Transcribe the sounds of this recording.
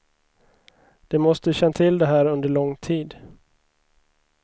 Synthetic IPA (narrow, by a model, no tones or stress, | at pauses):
d̪̥ɛmɔst̪əɕɛnːat̪ʰɪld̪ɛɦæːɾɵnd̪əɭɔŋːt̪ʰiːd̪